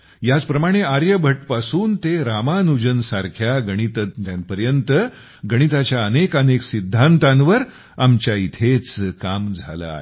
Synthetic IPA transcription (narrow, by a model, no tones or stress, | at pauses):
jat͡spɾəmaɽ̃eaɾjəbʱəʈpasuːnt̪eɾamanud͡ʑənsaɾkʰjaɡəɽ̃it̪ət̪t̪janpəɾjənt̪ə | ɡəɽ̃it̪at͡ɕjaənekəneksid̪ʱːant̪ãnʋəɾ | amt͡ɕjait̪ʰet͡skamd͡zʱa̰la̰e